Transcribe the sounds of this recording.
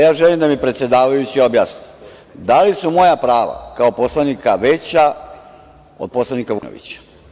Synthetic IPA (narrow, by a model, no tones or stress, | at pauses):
jaːʒelimd̪amipɾet̪sje̞d̪aːʋajut͡ɕiobjasni | d̪alisumo̞japɾaːʋa̰kaopo̞slˠanikaʋet͡ɕa | o̰d̪̚po̞slˠanikaʋuno̰ʋḭt͡ɕḁ